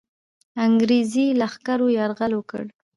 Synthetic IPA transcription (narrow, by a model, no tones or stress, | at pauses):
aŋɡɾezilaxkaɾojaɾɣalwəkə̰ɽ